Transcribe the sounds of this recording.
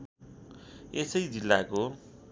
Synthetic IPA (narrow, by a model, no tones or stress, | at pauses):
esʌjd͡zilːako